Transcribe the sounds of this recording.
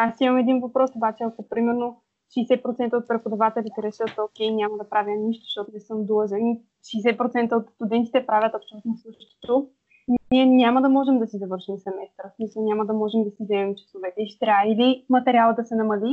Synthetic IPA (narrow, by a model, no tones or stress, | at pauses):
asimɐmɛd̪invɐpɾɔsobat͡ʃɛɐkopɾimɛɾno | ʃɛːsɛt̪̚pɾot̪sɛnt̪əot̪̚pɾɛpod̪ɐvat̪ɛlʲit̪ɛɾɛʃɤt̪okʲɛjnʲaməd̪ɐpɾavʲjəniʃt̪o̥ʃt̪ɔt̪onɛsɤmd̪əʒɛni | ʃɛːsɛt̪̚pɾot̪sɛnt̪əot̪st̪ud̪ɛnt̪i̥t̪ɛpɾavʲət̪opʃt̪ɛvɛt̪nosˠɤʃʃt̪o̥t̪o | niɛnʲaməd̪ɐmɔʒɛmd̪ɐsizɐvɤɾʃimsɛmɛst̪ɾəsmisəlˠnʲaməd̪ɐmɔʒɛmd̪ɐsizɛmɛmt͡ʃɐ̥sovɛt̪ɛiʃt̪ɾʲailimɐt̪ɛɾʲialˠəd̪ɐsɛnɐmɐli